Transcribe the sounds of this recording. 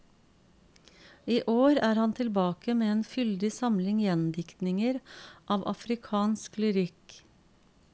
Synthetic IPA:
iːʔoːɾæːɾhɑnt̪ʰɪlbɑːkəmeːeːnfʏld̪ɪsɑmlɪŋjɛnd̪ɪkt̪nɪŋəɾʔɑːʋʔɑ̰fɾɪkʰɑːnsklɪɾɪk

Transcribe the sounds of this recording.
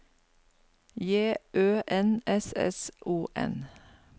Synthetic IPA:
jeːʔøːʔɛnɛsɛ̰sʔuːʔɛ̰n

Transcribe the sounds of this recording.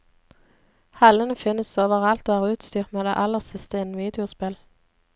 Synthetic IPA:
hɑlənəfɪnəsoːʋəʁɑlt̪oːæːʁʉːt̪st̪yːʁt̪meːd̪ḛːʔɑlːəʁsɪst̪əɪn̩ʋiːd̪ɪʊspɪl

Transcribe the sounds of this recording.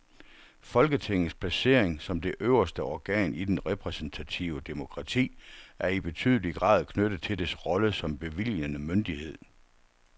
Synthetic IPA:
fɒ̽lɡ̥ət͡sʰe̝ŋ̰̩ˠspʰlæse̝̰ːɐ̰eŋsɒ̽md̥e̝ʔøʊɐsd̥əɒɡ̥ɛ̰ːnid̥enʁɛpʰʁɛsen̩t͡sʰæt͡sʰiʊəd̥e̝mo̝kʰʁɑ̈t͡sʰḭːʔæɐib̥e̝t͡sʰy̰ːð̞ˠəliɡ̥ʁɑ̰̈ːðˠkʰnød̥əð̩ˠt͡sʰe̝ld̥esʁɒ̽ləsɒ̽mb̥e̝ʋil̰jənəmønd̥ihe̝ð̰ˠ

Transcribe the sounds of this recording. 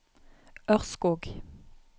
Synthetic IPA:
ʔœʁskuːɡ

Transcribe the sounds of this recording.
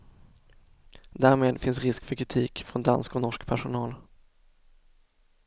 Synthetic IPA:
d̪æːɾmeːd̪fɪnsɾɪskfœkʰɾɪt̪ʰiːkfɾɔnd̪a̰nskɔnɔʂkpʰæʂʊnɑːl

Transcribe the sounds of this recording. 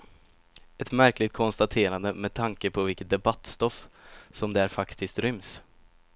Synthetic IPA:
ɛt̪mæɾklɪɡt̪̚kʰɔnst̪at̪ʰeːɾand̪əmɛd̪̚t̪ʰaŋkəpʰɔvɪlkət̪̚d̪ɛbat̪ːst̪ɔfsɔmd̪ɛæɾfakt̪ʰɪst̪ɾʏms

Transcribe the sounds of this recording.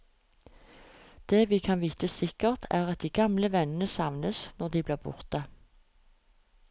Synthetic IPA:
d̪̥eːʋiːkʰɑnʋiːt̪əsɪkəʁt̪ʰæːʁɑt̪̚d̪iːɡɑmləʋɛnnəsɑʋnəsnɔʁd̪iːbliːbʊ̰ʁt̪ə

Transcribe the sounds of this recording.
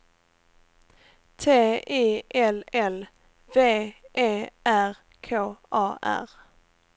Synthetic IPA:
t̪ʰeːiːʔɛlɛl | veːʔeːʔæʁ | kʰoːʔɑːʔæ̰ʁ

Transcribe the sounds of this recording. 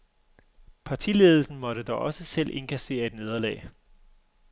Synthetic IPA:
pʰɑ̈t͡sʰile̝ːð̞ˠl̩sn̩mɒ̽ɾ̥əd̥ɒʔɒ̽səsel̰ʔe̝nkʰæse̝̰ːɐe̝d̥ne̝ð̞ˠɐlɛ̰ːɪ

